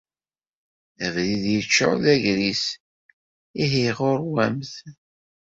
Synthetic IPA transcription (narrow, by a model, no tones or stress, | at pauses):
ævliðjət͡ʃːə̰ʁðæʝɾis | iɦiʁʊɾwæmθ